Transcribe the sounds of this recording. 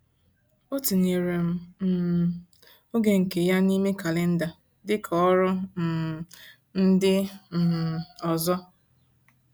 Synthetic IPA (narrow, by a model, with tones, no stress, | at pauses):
o˦ti˨ni˨ɾe˨m̩˦m̩˦ | o˦ɡe˨ŋ̩˨ke˨ja˦ni˦me˦ka˨le˦n̩˦da˨ | dɪ˦kʰɔ˨ɔ˦ɾʊ˦˨ | n̩˦dɪ˦˨ | ɔ˨zɔ˦